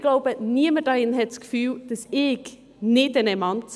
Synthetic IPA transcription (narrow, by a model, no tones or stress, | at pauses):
ɡ̥laʊbəniəməd̥ɑʁɪnhɛtskfyːld̥ɑsɪç | nɪtɛnɛmɑnts